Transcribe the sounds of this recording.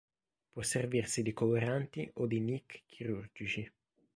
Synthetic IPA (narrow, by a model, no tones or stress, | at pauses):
pwɔsːervirsid̪ikoleɾant̪iʔod̪inikːʰiɾurd͡ʒit͡ʃi